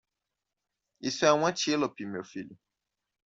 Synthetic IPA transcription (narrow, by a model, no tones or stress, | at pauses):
isɛw̃ãt͡ʃielopimewfilu